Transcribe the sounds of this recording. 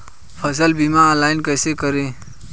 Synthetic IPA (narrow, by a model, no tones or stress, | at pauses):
pʰəsəlbimalaːɪnkəjsekəɾẽː